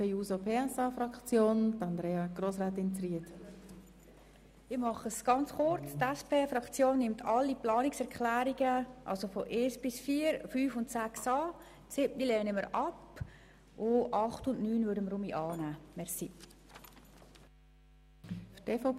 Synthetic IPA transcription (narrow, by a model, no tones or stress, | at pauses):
ɛjuːzopʰeːæsɑːfɾɑkt͡sjoːnd̪ɑnd̪ɾeːɑɡ̥ɾosʁaːt̪ɪnt͡sriət | ɪmɑχəsɡ̥ɑnt͡sχʊɾt͡stɛspʰeːfɾɑkt͡sjoːnːɪmtʰɑlːiplɑːnɪksɛɾkχlæːɾiɡəʔɑ̰lsofɔʔeːsb̥ɪsfiːəɾfyːfʊntsæksɑː | tsɪb̚nilɛːnəməɾɑp | ʔʊʔɑχtʊntnyːnvøɾdəmɾʊmiʔɑːnæːmɛɾsi | fteːfɔ